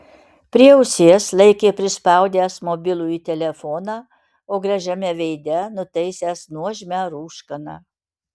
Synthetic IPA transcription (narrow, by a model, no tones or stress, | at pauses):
pʲɾʲiɛʊsʲeːslˠɐɪkʲeːpʲɾʲɪspɑˑʊd̪ʲæːsmoːbʲɪlˠuːit̪ʲɛlʲɛfɔːnɑː | oːɡɾɐʒʲɛmʲɛʋʲɛɪd̪ʲɛnʊt̪ɐɪsʲæːsnuɔʒʲmʲæːɾuːʃkɐnɑ̰ː